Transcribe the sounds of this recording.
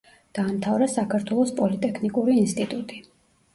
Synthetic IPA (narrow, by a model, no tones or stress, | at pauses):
d̪̥aːmt̪ʰavɾasakʰaɾt̪ʰwɛlˠɔspʼɔlit̪ʼɛkʰnikʼuɾiːnst̪ʼit̪ʼut̪ʼi